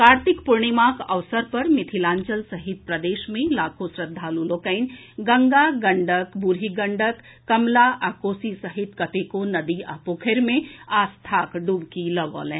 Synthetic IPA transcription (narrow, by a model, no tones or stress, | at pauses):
kaːɾt̪ɪkpʊɾɳimaːkɐʋsəɾpɐɾmɪt̪ʰilãːɲt͡ʃəlsɐɦɪt̪̚pɾɐd̪eːʃmẽlaːkʰosɾəd̪ʱːaːluloːkəɪn | ɡɐ̃ŋɡaɡɐ̃ɳɖəkbuɾɦiɡə̃ɳɖəkː | ɐmlaʔaːkoːsisɐɦɪt̪kɐt̪ekonɐd̪ia̰ːpoːkʰeɾmẽaːst̪ʰaːkɖuːbkilɐʋɔ̰ːlɛ̃ː